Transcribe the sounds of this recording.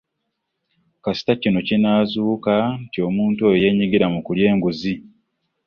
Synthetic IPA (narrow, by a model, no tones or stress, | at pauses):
kasi̥tacino̞cinaːzuːkantio̞muːntuojoje̞ːɲiɡiɾamukulje̞ːŋɡuzi